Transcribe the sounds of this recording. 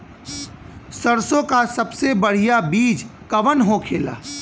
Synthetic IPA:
səɾsõkasɐbsebəɽ̤ijabiːd͡ʒkɐʋənɦokʰeːla̰ː

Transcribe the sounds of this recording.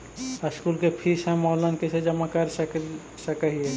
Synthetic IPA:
əskuːlkepʰiːsɦɛ̃mɔːlənkesed͡ʒɐmakəɾsə | səkəɦiɦɛ̃

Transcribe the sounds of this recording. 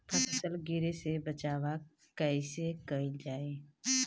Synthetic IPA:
pʰəsəsəlɡɪɾesebət͡ʃaːʋa | kəsekəɪd͡ʒaːeː

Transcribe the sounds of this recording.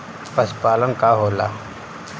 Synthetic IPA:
pɐspaːlənkaːɦoːla̰ː

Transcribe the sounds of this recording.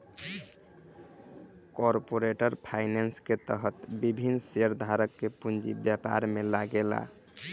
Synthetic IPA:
kɔɾpoɾeʈəɾpʰajnensket̪əɦət̪bibʱinːseɾd̪ʱaɾəkːepund͡ʒḭbjapa̰ɾmelaɡela̰

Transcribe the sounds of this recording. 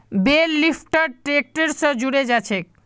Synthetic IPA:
bellifʈaɖʈɾek̚ʈeɾsəd͡ʑuɽed͡ʑat͡ɕʰek̚

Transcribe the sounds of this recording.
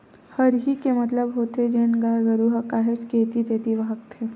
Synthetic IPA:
həɾɦikemɐt̪ləbɦoːt̪ed͡ʒeːnɡaːjɡəɾuɦəkaːɦesket̪it̪eːt̪iʋaɦək̚t̪ʰeː

